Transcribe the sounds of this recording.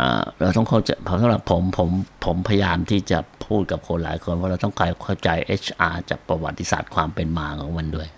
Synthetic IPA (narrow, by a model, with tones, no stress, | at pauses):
ʔa̰ː˨˩ɾa˧wt̪ɔ˥˩ŋkʰa˥˩wt͡ɕa˧pʰɔ˦˥sa˨˦mɾa˨˩pʰːo˩˦mpʰo˩˦mpʰo˨˩˦mpʰa˧ja˧jaː˧mt̪ʰiː˥˩t͡ɕa˨˩pʰuː˥˩t̪̚ka˨˩p̚kʰo˧nlaː˩˦jkʰo˧npʰɔ˦˥ɾa˧wt̪ɔ˥˩ŋkʰa˧kʰa˥˩wt͡ɕa˧jʔeː˦˥˩t͡ɕʰʔaː˧t͡ɕa̰ː˨˩k̚pɾa˧wa̰˨˩t̪ːi˧˦sa̰ː˨˩t̪̚kʰwaː˧mpe˧nmaː˧kʰɔː˩˦ŋma˧ndu˥˩əj